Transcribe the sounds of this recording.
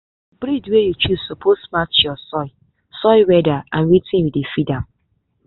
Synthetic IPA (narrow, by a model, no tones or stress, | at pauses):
bɾidwejut͡ʃuzsopʰosmat͡ʃjɔsɔɪ | sɔɪwɛdaãnɹitĩwidefidãm